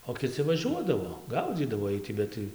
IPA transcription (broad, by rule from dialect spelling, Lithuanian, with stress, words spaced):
oː kʲɪˈt͡sʲɪ ʋɐˈʒʲuɔdɐʋoː ˈɡɐʊd͡zʲiːdɐʋoː ˈiɛj tʲɪ ˈbʲɛt tɐɪ